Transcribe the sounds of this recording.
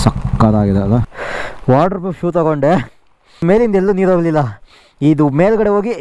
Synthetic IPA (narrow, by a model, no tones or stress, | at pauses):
sɐkːaːd̪aːɡid̪eɐlɐʋaːʈɐɾpɐʃjuːt̪ɐɡoɳɖe | me̞ːlind̪elːuniːɾoːɡɐlilːɐ | id̪umeːlɡɐɽeɦo̞ːɡi